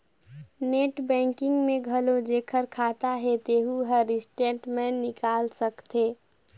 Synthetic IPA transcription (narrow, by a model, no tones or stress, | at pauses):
neʈbɛ̃ŋkɪ̃ŋɡmeɡʱəlod͡ʒekʰəɾkʰat̪aɦet̪eɦuɦəɾisʈeʈmenɪkaːlsəkt̪e